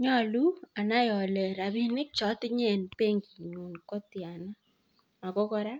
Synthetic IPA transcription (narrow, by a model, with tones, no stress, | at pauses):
ɲɔ˦˨lu˦a˨na˦jɔ˨lɛ˨ɾa˨bi˦nɪ˦k̚t͡ʃɔ˨˦tɪ˦ɲɛ˦˨npe˦ŋɡi˨ɲu˨nkɔ˦tɪ˨a˨na˦ | a˨kɔ˦kɔ˦ɾa˦